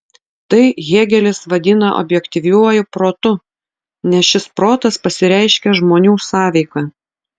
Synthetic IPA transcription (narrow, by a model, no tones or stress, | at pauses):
t̪ɐɪɣʲeːɡʲɛlʲɪsʋɐd̪ʲɪnɐʔɔ̰bʲjɛkt̪ʲɪʋʲuɔjʊpɾoːt̪ʊ | nʲɛsʃʲɪspɾoːt̪ɐspɐsʲɪɾʲæˑɪʃʲkʲɛʒmoːnʲuːsɑːʋʲɛɪkɑː